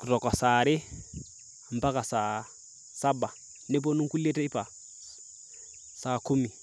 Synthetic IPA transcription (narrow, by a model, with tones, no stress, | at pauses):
ku˨tɔ˨ka˨sa˨ɾɛ˦ | m̩ba˦ka˨sa˨ | sa˦ɓa˨ | nɛ˦p̬ɔ˦nu˦ŋ˦ku˦lɛ˦tɛ˦i˦pa˨ | sa˨kʰu˦mi˨